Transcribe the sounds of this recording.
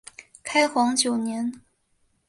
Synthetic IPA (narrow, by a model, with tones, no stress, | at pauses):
kʰa˥ɪxwɑ˧˥ŋt͡ɕjo˨˩ʊnjɛ˧˥n